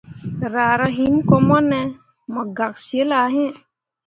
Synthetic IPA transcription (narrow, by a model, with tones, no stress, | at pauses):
ɾaː˨ɾa˦ɦi˨˦mkɔ˧mɔ˦nɛ˦ | mɔ˨ɡa˨k̚si˨e˦la˨ɦẽ˦˨